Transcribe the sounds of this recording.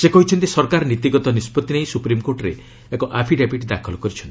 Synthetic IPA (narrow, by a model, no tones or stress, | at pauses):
sekɔɦit͡ʃʰɔnt̪isɔɾkaɾɔnit̪iɡɔt̪ɔnispɔt̪inejsupɾimkoɾʈɔɾe | ekɔʔapʰiɖepiʈid̪akʰɔlɔkɔɾit͡ʃʰɔnt̪i